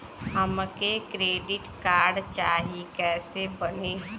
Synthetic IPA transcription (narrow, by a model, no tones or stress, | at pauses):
ɦəmkekɾeːɖɪʈkaːɾɖt͡ʃaːɦikɛːsebəne